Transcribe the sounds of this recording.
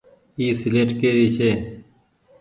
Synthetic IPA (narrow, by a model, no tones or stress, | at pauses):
iːsɪleːʈkeːɾiːt͡ʃʰeː